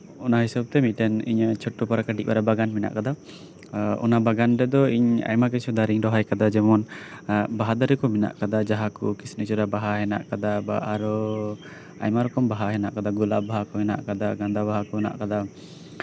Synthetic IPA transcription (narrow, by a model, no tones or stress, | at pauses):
ɔnaɦisab̚t̪ɛmiʈɛnḭɲt͡ʃʰɔʈːɔpaɾakaɖiʔ̚ba̰ɾabaɡanmina̰ʔkad̪a | ɔ̰nabaɡanɾɛd̪ɔiɲa̰jmak̬ɛsʰud̪aɾiŋɾɔɦajkad̪ad͡ʒɛmɔn | baɦad̪aɾɛkɔmina̰ʔkad̪ad͡ʒaɦakɔkisnət͡ʃɔɾabaɦaɦɛna̰ʔkad̪abaaɾɔ | a̰jmaɾɔkɔmbaɦaɦɛna̰ʔkad̪aɡula̰baɦakɔmɛna̰ʔkad̪aɡãnd̪abaɦakɔna̰ʔkad̪a